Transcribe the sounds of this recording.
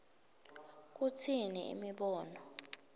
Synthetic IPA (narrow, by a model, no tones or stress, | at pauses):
k̬utʰiniḭmiɓɔːnɔ